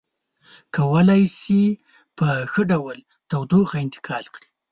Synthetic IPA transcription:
kʰawəlajsi | pəxəɖawəl | t̪awd̪oxaɪnt̪ɪ̥kʰɑlkɽi

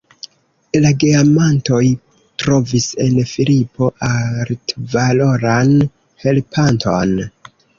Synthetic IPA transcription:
laɡiamanto̞j | tɾo̞vise̞nfilipo̞ʔaɾtvalo̞ɾan | he̞lpʰantʰo̞̰n

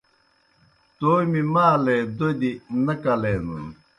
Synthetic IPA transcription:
t̪oːmimaːled̪od̪inɐkɐlenṵn

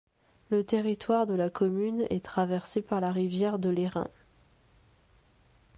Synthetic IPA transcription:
lət̪eʁit̪waʁd̪əlakʰɔmynɛ̰t̪χavɛʁsepaʁlaʁivjɛʁd̪əleʁɛ̰̃

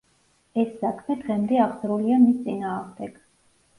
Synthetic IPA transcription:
ɛsːakʰmɛd̪ʁɛmd̪ɛaʁzɾuliamist̪sʼinaːʁmd̪ɛɡ̥

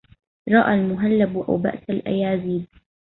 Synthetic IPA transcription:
ɾˤɑʔalmʊɦalːabʔa̰wba̰ʔsalʔa̰jaːziːb

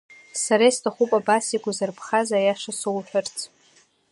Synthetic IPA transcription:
saɾejstʰaχupʼabasiɡʷazɨrpʰχazajaʂasowħʷᶣart͡sʰ

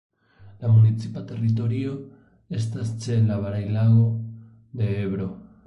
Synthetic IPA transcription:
lamunit͡sipat̪e̞rit̪̬o̞ɾio̞ | e̞s̬tast͡ʃe̞laβaɾajlaɣo̞ | d̪e̞eβɾo̞

